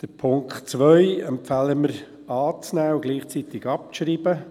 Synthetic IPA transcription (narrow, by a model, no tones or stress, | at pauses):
d̥əɾpʰʊŋkχt͡sʋœʏɛmpfæləməɾ | ɑːt͡snæːʊɡliːχt͡sit̪ɪɡ̥ɑp̚ʃɾiːb̥ə